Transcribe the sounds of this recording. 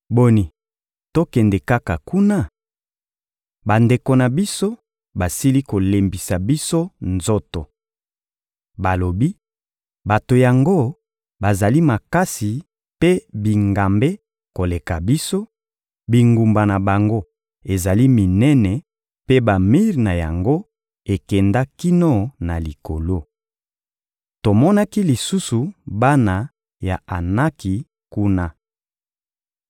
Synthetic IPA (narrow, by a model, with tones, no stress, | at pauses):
bo˦ni˨ | to˦kɛ˨nde˨ka˦ka˨ku˦na˦ | ba˨nde˨ko˨na˨bi˦so˦ | ba˨si˦li˦ko˨le˨mbi˨sa˨bi˦so˦nzo˦to˨ | ba˨lo˨bi˦ | ba˨to˨ja˨ŋɡo˦ | ba˨za˨li˦ma˨ka˦si˨ | pe˦bi˨ŋɡa˨mbe˦ | ko˨le˨ka˨bi˦so˦ | bi˨ŋɡu˨mba˨na˨ba˨ŋɡo˦ | e˨za˨li˦mi˨nɛ˦nɛ˨ | pe˦ba˨mi˦ʁna˨ja̰˨ŋɡo˦ | e˨kɛ˨nda˦ki˦no˦na˨li˨ko̰˨lo˦ | to˨mɔ˦na˦ki˦li˨su˦su˨ba˦na˨ | ja˨a˨na˦ki˨ | ku˦na˦